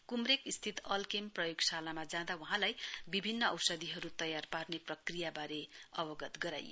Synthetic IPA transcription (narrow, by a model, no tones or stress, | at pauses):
kumrekist̪ʰit̪ʌlkemprʌjoɡsalamad͡zãd̪awʌɦãlajbibʱinːʌʌwsʌd̪iɦʌɾut̪ʌjarparneprʌkrijabaɾeʌbʌɡʌt̪ɡʌɾa̰jːo